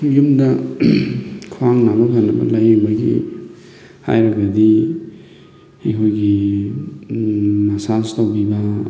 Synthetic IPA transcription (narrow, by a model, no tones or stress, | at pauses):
jumdɐ | kʰwaŋnabɐkʰanːɐbɐ̰lɐjibɐɡḭ | ha̰jɾɐɡɐdi | ɐjkʰojɡi | mɐsastɐwbibɐ